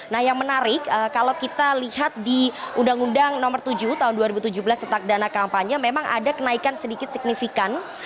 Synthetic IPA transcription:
nahjaŋmənaɾɪkəkalawkit̪alihat̪̚diundaŋundaŋnɔmərt̪ud͡ʒuht̪aɦʊnduaɾibut̪ud͡ʒubəlast̪ət̪ak̚danakampaɲamemaŋʔa̰dakənaikansədikɪt̪̚sik̚nifikan

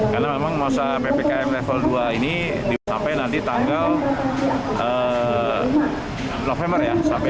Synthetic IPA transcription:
karnamemaŋmasapepekaɛflɛfəlduaini | disa̰mpajnant̪it̪aŋɡal | ʔə | nofɛmbərjasampa

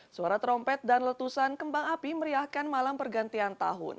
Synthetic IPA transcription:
suaɾat̪ɾɔmpɛt̪̚danlət̪usankəmbaŋapiməɾiahkanmalampərɡant̪iant̪a̰ɦʊ̰n

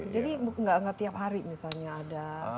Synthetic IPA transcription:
d͡ʒadibŋɡaʔŋɡat̪iap̚ɦaɾimisalɲaːda

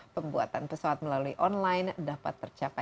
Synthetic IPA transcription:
pəmbuat̪anpəsawat̪̚məlaluiʔɔnlajndapa̰t̪ːərt͡ʃapa

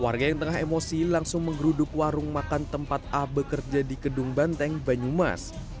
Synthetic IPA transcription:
warɡajaŋt̪əŋaɦemosilaŋsʊŋməŋɡɾudʊk̚waɾʊŋmakant̪əmpat̪̚abəkərd͡ʒadikədʊŋbant̪ɛŋbaɲuma̰s

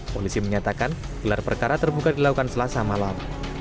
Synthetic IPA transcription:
polisiməɲat̪akan | ɡ̥əlarpərkaɾat̪ərbukadilakukansəlasamalam

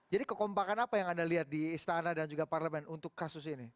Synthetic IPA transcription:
d͡ʒadikəkɔmpakanapajaŋandaliɦat̪̚diːst̪anadand͡ʒuɡaparləmɛnunt̪ʊkːasʊs̬ini

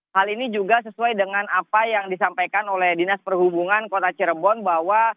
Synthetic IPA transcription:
halinid͡ʒuɡas̬əsuajdəŋanapajaŋdisampajkanolɛhdinaspərhubuŋankot̪at͡ʃəɾbɔnbaɦwa

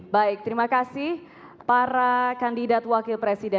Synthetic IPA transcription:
baɪk̚t̪əɾimakasɪh | paɾakandidat̪wakɪlpɾesidɛ

